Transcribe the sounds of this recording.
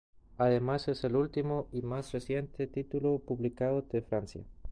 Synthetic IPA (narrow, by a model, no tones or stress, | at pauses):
aðemase̞selult̪imoimasresje̞nt̪e̞t̪it̪ulopuβlikaðod̪efɾansja̰